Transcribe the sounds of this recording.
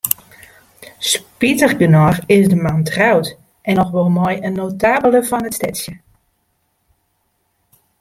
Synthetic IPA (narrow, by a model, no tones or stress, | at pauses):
spitəχɡənɔrɪsdəmantrawt | ʔɛnɔxʋɔlˠmɔjənːowtaːbələvɔnətstɛtsjə